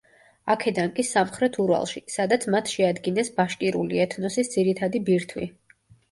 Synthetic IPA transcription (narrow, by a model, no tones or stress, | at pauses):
akʰɛd̪ankʼisamχɾɛt̪ʰuɾva̰lˠʃisad̪at̪sʰmat̪ʰʃɛad̪ɡinɛsbaʃkʼiɾṵliɛt̪ʰnɔsisd̪z̥iɾit̪ʰad̪ibiɾt̪ʰwḭ